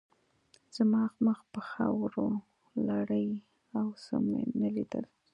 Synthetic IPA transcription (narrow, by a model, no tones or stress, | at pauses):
z̥amɑxməxpəxa̰wɾo | laɽəj | awsə̰mḛnalid̪ə̰l